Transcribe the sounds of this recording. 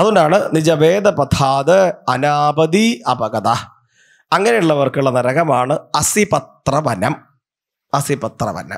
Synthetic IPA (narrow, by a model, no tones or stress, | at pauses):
ɐðundaːɳɨnid͡ʑɐʋeːd̪ɐpɐt̪ʰaːd̪ɨɐnaːbɐd̪iɐbɐɣɐd̪a | ɐŋːɐnejuɭːɐʋɐrkuɭːɐnɐɾɐɣɐmaːɳɨɐsipɐt̪rɐʋɐnɐm | ɐsibɐt̪rɐ̰ʋɐ̰nɐ̰m